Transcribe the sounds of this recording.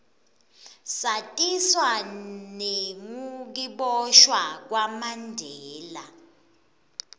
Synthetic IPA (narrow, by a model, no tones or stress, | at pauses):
satʼiswaneŋuk̬iɓɔʃwak̬wamandʱɛːla